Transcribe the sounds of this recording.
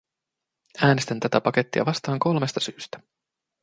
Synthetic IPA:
æːnest̪ænt̪æt̪æpɑke̞t̪ːiɑ̰ʋɑst̪ɑːŋko̞lme̞st̪ɑ̥syːst̪æ̥

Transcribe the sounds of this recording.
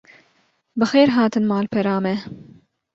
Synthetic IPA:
bɨxeːɾɦaːt̪ɨnmɑːlpʰɛɾɑːmɛ

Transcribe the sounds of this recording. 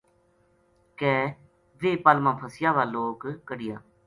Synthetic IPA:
kɛː | ʋeːpəlmãːpʰəsɪjaːʋaːloːkːəɽɪjaː

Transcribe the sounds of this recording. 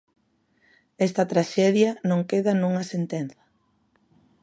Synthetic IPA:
est̪ɐt̪ɾaʃɛðjɐnõŋkeðɐnũŋɐsent̪en̟θɐ̥

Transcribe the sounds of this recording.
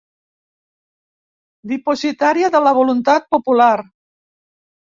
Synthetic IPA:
d̪ipozit̪aɾjaðəlaβ̞olunt̪at̪̚populaɾ

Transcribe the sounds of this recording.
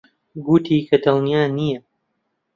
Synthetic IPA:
ɡut̪ʰiːkʰɐd̪ɨlˠnijaːnijɐ

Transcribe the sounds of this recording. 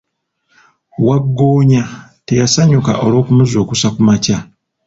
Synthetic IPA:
waɡːo̞ːɲate̞jasaɲuka̰ʔo̞lo̞ːkumuzo̞ːkusakumaca

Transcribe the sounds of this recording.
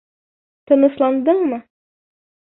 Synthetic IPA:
t̪ʰɯnɯʃlˠɑnd̪ɯɴmɨ

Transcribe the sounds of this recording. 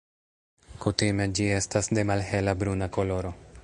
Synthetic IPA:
kutime̞d͡ʒie̞stasde̞malhe̞labɾunako̞lo̞ɾo̞

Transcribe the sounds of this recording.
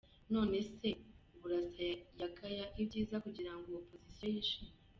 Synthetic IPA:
no̞ːne̞se̞uβuɾasajakʰajaʔibɟiːzakuɟiɾaŋɡoopo̞zisiejiʃim

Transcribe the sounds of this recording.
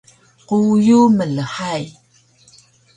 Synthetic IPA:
qujuməɮəħaj

